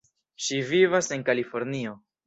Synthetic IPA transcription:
ʃivivase̞ŋkalifo̞ɾnio̞

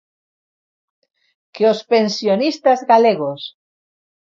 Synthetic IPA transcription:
keospensjonist̪azɣaleɣ̞os

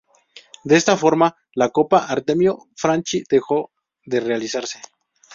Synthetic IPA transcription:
d̪eest̪afo̞ɾma | lako̞paʔaɾt̪emjo | fɾant͡ʃid̪̥e̞xo̞ | ðe̞re̞alisaɾse

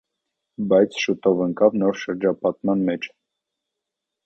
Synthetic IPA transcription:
bɑjt͡sʰʃut̪ɔvəŋkɑvnɔɾʃəɾd͡ʒɑpɑt̪mɑnmɛt͡ʃʰ

